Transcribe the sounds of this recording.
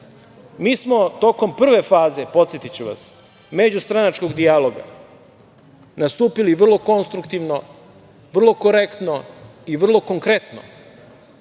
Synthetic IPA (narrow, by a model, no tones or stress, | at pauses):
miːsmo̞t̪oko̞mpr̩ʋe̞faːzepo̞t̪sjet̪it͡ɕuʋa̰s | me̞d͡ʑust̪ɾanat͡ʃko̞ɡd̪ialo̞ɡa̰ | nast̪uːpiliʋr̩lˠo̞ko̞nst̪ɾukt̪iʋno̞ | ʋr̩lˠo̞ko̞ɾekt̪no̞iʋr̩lˠo̞ko̞ŋkɾe̞t̪no̰